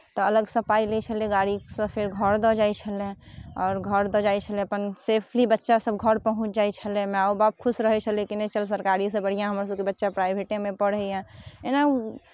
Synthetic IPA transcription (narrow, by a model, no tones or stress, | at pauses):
t̪ɔɐləɡsəpaːilet͡ʃʰəleɡaːɽisẽpʰɪɾɡʱəɾd̪ɔd͡ʒaːit͡ʃʰəlẽɔːɾɡʱəɾd̪ɔd͡ʒaːet͡ʃʰəlẽəpənseːpʰlibətːʃasəbɡʱəɾpəɦʊ̃t͡ʃʰd͡ʒaːet͡ʃʰəlẽmɛ̃aobaːp̚kʰʊsɾəɦɛt͡ʃʰəlekinẽt͡ʃəlsəɾkaːɾisẽbəɽ̤ijãɦəmɾas̬əbkibətːʃapɾaːjbʱeʈẽmẽpəɽɦɛɛ̃ena